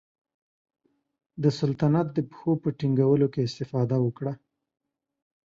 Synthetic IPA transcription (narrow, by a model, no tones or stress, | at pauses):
d̪əsalt̪anat̪̚d̪əpə̥xopəʈiŋɡawəlokeɪst̪ɪfɑd̪awəkɽa